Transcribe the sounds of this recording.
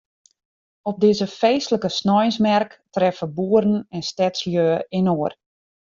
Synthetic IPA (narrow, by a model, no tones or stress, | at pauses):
ɔp̚dɪzəfeːstləkəsnɔjənsmɛrktrɛfəbuəɾən̩ɛnstɛtsljøːəɪnoər